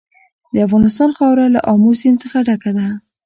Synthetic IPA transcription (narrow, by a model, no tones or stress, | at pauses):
d̪əafɣɑnɪst̪ɑnxɑwɾala̰ʔɑmosint͡səxaɖakad̪a